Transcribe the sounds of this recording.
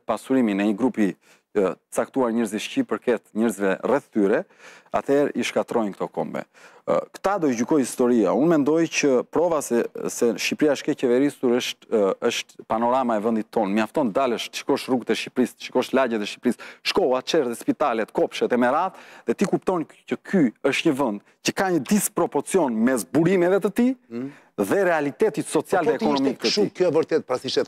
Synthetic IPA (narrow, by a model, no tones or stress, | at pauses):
pasuɾiminɛiɡɾupi | t̪ə̥t͡sak̚t̪uaɾɲɛɾziʃcipəɾkɛt̪ɲɛɾzvɛrɛθt̪yɾɛ | a̰t̪ʰɛɾiʃkat̪ɾɔjnkə̥t̪ɔkɔ̰mbɛ̰ | kə̥t̪ad̪ɔjɟykɔjhist̪ɔɾiaunmɛnd̪ɔjcəpɾɔvasɛsɛʃipɾiaʃkɛcɛvɛɾisuɾəʃt̪əʃt̪panɔɾamaɛvənd̪it̪ʰːɔnmiaft̪ɔnd̪aləʃt̪ə̥ʃi̥kɔʃruɡt̪ɛʃcipɾist̪ə̥ʃikɔʃt̪laɟɛt̪ɛʃci̥pɾisʃkɔlˠat̪t͡ʃɛɾðɛspit̪alɛt̪kɔpʃɛt̪ɛmɛɾat̪ðɛt̪ikupt̪ɔncəkʰyəʃt̪ɲəvənd̪ | cəkaɲəd̪ispɾɔpɔɾt͡siɔnmɛzbuɾimɛvɛt̪ət̪i | ðɛɾɛalit̪ɛt̪it̪sɔt͡sialðɛɛɔnɔmikt̪ət̪ikɛvəɾt̪ɛt̪̚pɾasiʃɛt̪